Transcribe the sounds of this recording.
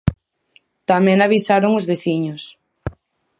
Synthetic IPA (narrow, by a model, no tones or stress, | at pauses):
t̪amɛ̃ŋaβ̞isaɾoŋʊzβeθiɲʊs